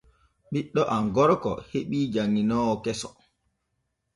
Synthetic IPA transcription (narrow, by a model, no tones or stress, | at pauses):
ɓiɗːɔʔaŋɡɔɾkɔ̰heɓiːd͡ʒaŋːinɔːkɛsɔ̥